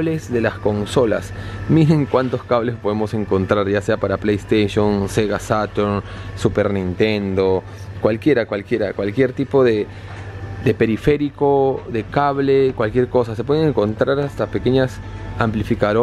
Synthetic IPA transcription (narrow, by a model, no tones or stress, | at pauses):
le̞zðe̞lasko̞nso̞la̰smiɾeŋkwant̪o̞skaβlespo̞ðemo̞se̞ŋko̞nt̪ɾaɾʝase̞apaɾaplejst̪eʃonseɣasat̪uɾnsupe̞ɾnĩnt̪e̞nd̪o̞ | kwalkje̞ɾakwalkje̞ɾa̰kwalkje̞ɾt̪ipo̞ðe̞ | ðe̞pe̞ɾife̞ɾiko̞ðe̞kaβlekwalkje̞ɾko̞sasepwe̞ðeŋẽŋko̞nt̪ɾaɾast̪ape̞ke̞ɲas | amplifikaðo